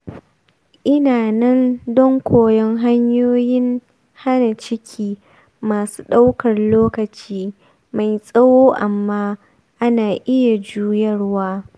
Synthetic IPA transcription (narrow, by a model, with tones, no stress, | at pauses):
ʔɪ˦naː˨nɐ˦ndɔ˦ŋkʷoː˨jɛ˦ŋɦa˦ɲjoː˦jɪ˦ŋ | ha˦na˨t͡ʃɪ˦kʲʰiː˦ | maː˨su̥ː˦ɗa˦wkɐ˨rloː˦kɐ˨t͡ʃiː˦ | ma˨jsʼɐ˦woː˦ʔa˨mːaː˦ | ʔa˦naː˨ʔɪ˦ja˨d͡ʒuː˦jɐ˦rwaː˦